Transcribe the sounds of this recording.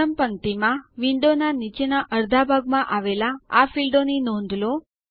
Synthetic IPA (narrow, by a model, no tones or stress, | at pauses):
əmpənt̪imãʋiɳɖonanit͡ʃenaʔəɾd̪ʱabʱaɡmãʔaʋelaafilɖoninɔ̃nd̪ʱlo